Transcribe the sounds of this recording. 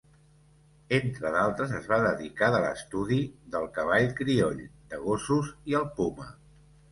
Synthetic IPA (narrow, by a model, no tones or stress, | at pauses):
ent̪ɾəðalˠt̪ɾəzəzβaðəðikaðələ̰st̪uðiðəlˠkəβ̞aʎkɾioʎd̪əɣosuziəlˠpumə̰